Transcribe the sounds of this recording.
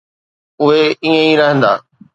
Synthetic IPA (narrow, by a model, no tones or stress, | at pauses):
ʊɦeiːə̃iɾɐɦə̃nd̪a̰ː